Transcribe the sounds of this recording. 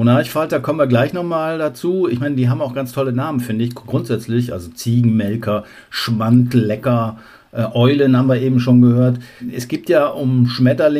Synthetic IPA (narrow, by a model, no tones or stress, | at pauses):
onaçfalt̚d̥aːkʰɔmənviɐɡlaɪçnɔχmaːldat͡suːɪçmaɪnədiːɦaːbmaʊxɡ̥ant͡stʰɔlənaːmənfɪndəɪçɡ̥ʁʊntz̥ɛt͡slɪçʔa̰lzot͡siːɡŋ̩mɛlkʰɐ | ʃmantlɛkɐ | ʔɛːʔɔʏlənhaːbm̩viːɐʔeːbm̩ʃoːnɡəhøːɐtʔɛsɡ̥iːp̚tjaːʔʊmʃmɛtɐlɪ